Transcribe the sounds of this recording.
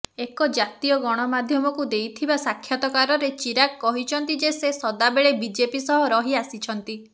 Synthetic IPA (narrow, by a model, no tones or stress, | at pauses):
ekɔd͡ʒat̪ijɔɡɔɽ̃ɔmad̪ʱjɔmɔkud̪ejt̪ʰibasakʰːjat̪ɔkaɾɔɾet͡ʃiɾakːɔɦit͡ʃʰɔnt̪id͡ʒesesɔd̪abeɭebid͡ʒepisɔɦɔɾɔɦiasit͡ʃʰɔnt̪i